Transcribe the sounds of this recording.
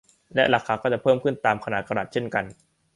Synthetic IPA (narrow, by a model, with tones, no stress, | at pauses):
lɛ˦˥ʔla˨˩kʰːaː˧˦kɔː˥˩t͡ɕa˨˩pʰɤː˥˩mkʰɯ˥˩nt̪aː˧mkʰa˧naː˨˩kʰa˧ɾa˨˩t̪̚t͡ɕʰe˥˩nka˧n